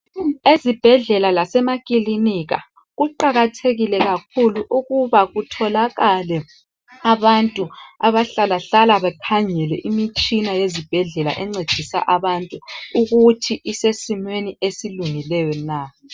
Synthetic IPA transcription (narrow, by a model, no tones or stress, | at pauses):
ezib̥ʱɛɮɛlalasɛmakʼiliniɣa̰ | ɣuǃaɣatʰeɣilɛɣakʰuluʔuɣuβaɣutʰɔlaɣalɛ | aβantʼuaβaɬalaɬalaβɛkʰaŋɛlɛ̰ʔimit͡ʃʼinajezib̥ʱɛɮɛla̰ʔɛŋ͡ǀed̥ʒ̥ʱisa̰ʔaβantʼuuɣutʰiʔisesimweniesiluŋilɛjɔna